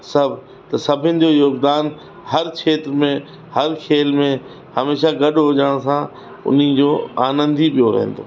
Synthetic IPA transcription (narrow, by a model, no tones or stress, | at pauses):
sɐbʱ | t̪ɐsɐbʱɪnɪ̆d͡ʑoːjoːɡd̪aːn | hɐɾkʰeːt̪ɾmẽ | hɐɾkʰeːlmẽ | hɐmeːʃaɡɐɗʱɦod͡ʑəɽ̃sã | ʊ̰n̤id͡ʑoːaːnə̃nd̪ʱiɓijoɾɐ̰ɦḛ̃n̆d̪o̰ː